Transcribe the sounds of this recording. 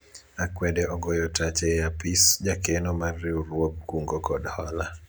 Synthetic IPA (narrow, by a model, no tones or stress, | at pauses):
akwɛdɛɔɡɔjɔtat͡ʃɛjapisd͡ʒakenɔmarːiuɾwoɡ̚kuŋɡokɔdhɔla